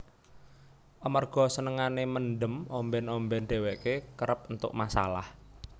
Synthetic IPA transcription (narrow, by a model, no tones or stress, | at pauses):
ʔəmərɡ̥ɔ̤sənəŋanemənɖəmɔmbɛnɔmbɛnɖ̪̥e̤wɛkekəɾəp̚unt̪ʊ̰k̚masa̰la̰h